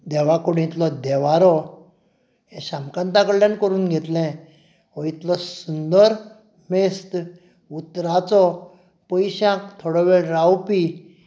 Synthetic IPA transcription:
d̪ɛʋakoɽĩt̪lɔd̪ɛʋaɾɔ | ɦɛ̃ɕãmkãnt̪akəɽljankəɾuːnɡʱet̪lɛ̃ | ɔit̪lɔsund̪əɾ | mest̪ | ut̪ɾat͡sɔ | pəjɕãkt̪ʰoɽɔʋeɭɾawpi

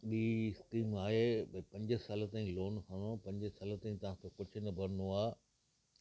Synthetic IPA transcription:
ɓiːɪskiːmaːɦeːpɐ̃ɲd͡ʑɪ̆saːlt̪aːĩloːnkɐ̃nopɐ̃ɲd͡ʑəsaːl̆t̪ãĩt̪ɐʋ̤ãːk̪ʰokʊd͡ʑʱʊ̆nɐbʱɐɾənoaː

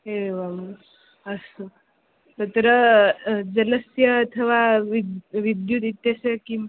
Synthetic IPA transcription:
ɦeʋam | əsə | t̪ət̪əɾə | d͡zələsjəːt̪ʰəʋaʋid̪ʋid̪jut̪it̪jasəki

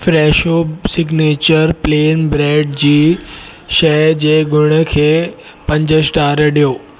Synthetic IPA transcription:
fɾɛːʃosɪɡneːt͡ɕəɾpleːnbɾɛːɖd͡ʑiː | ʃɐd͡ʑeːɡʊɽ̃ə̆kʰeː | pɐ̃ɲd͡ʑəsʈaːɾəɗijoː

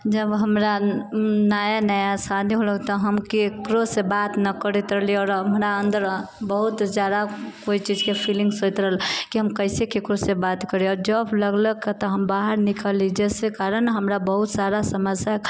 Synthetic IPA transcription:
d͡ʒəbɦəmɾa | najanajasad̪ʱiɦoləkt̪ɔɦəmkekɾosebat̪nəkəɾit̪ɾəɦliɔːɾɦəmɾaənd̪əɾbəɦut̪zjad̪akoit͡ʃid͡ʒkepʰilĩŋɡsojt̪ɾəɦəlkiɦəmkəɪsekekɾosebat̪kəɾeɔːɾd͡ʒəbləɡləket̪ɔɦəmbaɦəɾnikalid͡ʒɛːsekaɾənɦəmɾabəɦut̪saɾasəməsja

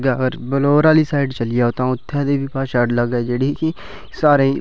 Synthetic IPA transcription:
ɡaːəɡəɾbəloːɾaːliːsaːɪɖt͡ʃəlɪjaːoːt̪ãːʊt̪ʰːẽːd̪eːbiːpaːʃəʈləɡaːd͡ʒeːɽiːkɪ | saːɾẽː

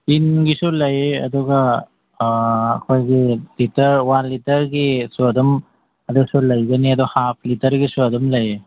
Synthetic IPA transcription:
pinɡisulɐjɐ̰duɡa | kʰojɡilitɐɾwanlitɐɾɡisuɐdum | ɐdusulɐjɡɐniɐduhap̚ʰlitɐɾɡisuɐdumlɐje

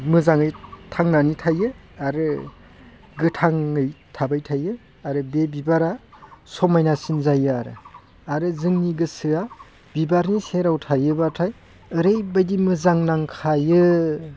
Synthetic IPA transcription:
mɯzaŋɯjtʰaŋnanitʰajɯaɾɯ | ɡɯtʰaŋɯjtʰabajtʰajɯ | aɾɯbebibaɾasɔmajnasinzajɯaɾɯ | aɾɯzɯŋniɡɯsɯa | b̥ibaɾniseɾawtʰajɯbatʰaj | ɯɾejbajdimɯzaŋnaŋkʰajɯ

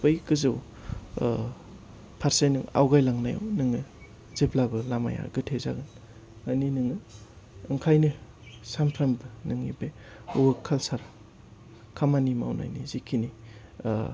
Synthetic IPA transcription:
pɯjkɯzɯw | pʰaɾsejnɯŋa̰wɡajlaŋnaja̰wnɯŋɯ | z̥eplabɯlama̰ja̰ɡɯtʰeza̰ɡɯn | aninɯŋɯː | ŋkʰajnɯ | sampʰɾambɯnɯŋibe | uɯkʰːalsaɾa | kʰamanima̰wna̰jnizikʰini

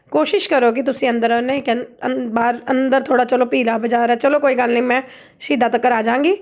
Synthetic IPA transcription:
koːʃɪʃkəɾoːk̬ɪt̪ʊsĩːə̃nd̪əɾnekəbaːɾənd̪əɾt̪ʰoːɽaːt͡ʃəloːpiːlaːbəd͡ʒaːɾɛːt͡ʃəloːkoːiːɡəlnĩːmɛ̃ː | ʃiːd̪aːt̪əkːəɾaːd͡ʒãːŋɡiː

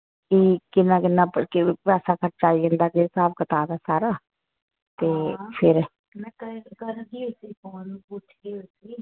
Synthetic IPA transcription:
kikɪnːãːkɪnːãːpəkɪpɛːsaːkəʈt͡ʃaːiə̃nd̪aːkɪsaːbkət̪aːd̪aːsaːɾaː | t̪eːpʰɪɾ | mɛkəkəɾɡiːosiːkɔːnũːpʊʈʰɡiosiː

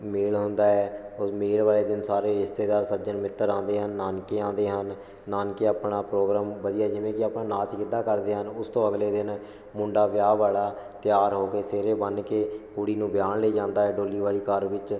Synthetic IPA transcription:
meːɭɦʊnd̪aːɛːʊsmeːlʋaːleːd̪ɪnsaːɾeːɾɪʃt̪eːd̪aːɾsətd͡ʒənmɪt̪ːəɾãːnd̪eːɦənːaːnkeːãːnd̪eːɦənː | aːnkeaːpɳaːpɾoːɡɾaːmʋəd̪ijaːd͡ʒɪʋẽːkɪaːpɳãːnaːt͡ʃkɪd̪aːkəɾd̪eːɦənʊst̪õːəɡleːd̪ɪn | mʊɳɖaːʋjaːʋaːɽaː | t̪ɪjaːɾɦoːkeːseːɾeːbənkeːkʊɽiːnũːbjaːnleːd͡ʒãːnd̪aːɦɛːɖoːliːʋaːliːkəɾʋɪt͡ʃ

